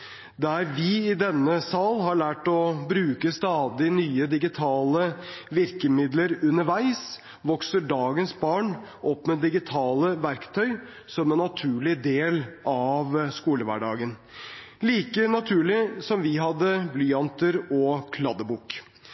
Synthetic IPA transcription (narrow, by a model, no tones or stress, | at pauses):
d̪æɾʋɪɪd̪ɛnːəsɑlɦɑɭæːʈɔbɾʉːkəst̪ɑːd̪ɪnyːəd̪ɪɡɪt̪ʰɑːləʋɪɾkəmɪd̪ləɾʉnəɾʋæɪs | ʋɔksəɖɑːɡənsbɑːɳ | ʔɔpːmɛd̪ɪɡɪt̪ʰɑːləʋæɾkt̪ʰœʏ | sɔmɛnːɑt̪ʰʉːɭɪd̪eːlʔɑʋskuːləʋæ̰ɖɑ̰ːɡən | liːkənɑt̪ʰʉːɭɪsɔmʋɪɦɑd̪ːəblʏɑnt̪əɾɔkʰlɑd̪əbuːk